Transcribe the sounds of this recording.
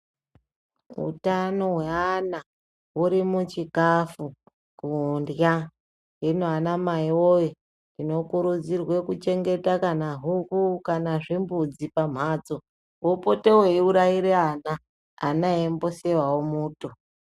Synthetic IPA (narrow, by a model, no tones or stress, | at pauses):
ṵtano̞ɦweana | ɦuɾimut͡ʃikafu | kundja | enoanamaiwoji | ndino̞kuɾud͡zirwe̞kut͡ʃe̞ŋɡe̞takanaɦukukanaʐimbud͡zipam̤aːd͡zo | wopo̞te̞weiuɾaiɾeanaː | naembo̞sewawomuːto